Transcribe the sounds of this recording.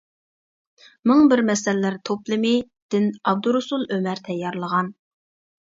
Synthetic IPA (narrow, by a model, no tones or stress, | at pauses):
mʊŋbɪɾmɛsɛlːæɾt̪ʰoplˠɨmɪ | d̪̥ɪnɑb̚d̪uɾusulˠømæɾt̪ʰɛjːɑɾlˠəʁɑn